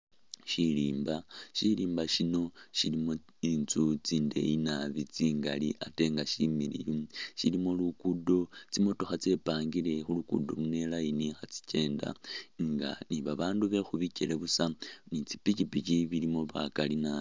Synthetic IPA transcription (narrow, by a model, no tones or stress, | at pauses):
ʃiliːmbaʃiliːmbaʃino̞ʃilimo | int͡sut͡siːnde̞̰inaβit͡siːŋɡalḭate̞ŋɡaʃimiɾḭjuʃilimolukudo̞t͡simo̞to̞xat͡se̞paːŋɡiɾe̞xulukṵdo̞lune̞lajinixat͡si̥t͡ʃe̞ːnda̰ŋɡa̰niβaβaːnduβe̞xuβiceɾeβusanit͡si̥picipiciβilimo̞βa̰kalina